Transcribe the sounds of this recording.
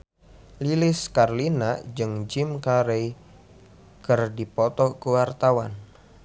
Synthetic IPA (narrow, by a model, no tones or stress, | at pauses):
lilɪskarlinad͡ʒɨŋd͡ʒɪmkaɾej | kɨrdipɔt̪ɔkuwart̪awan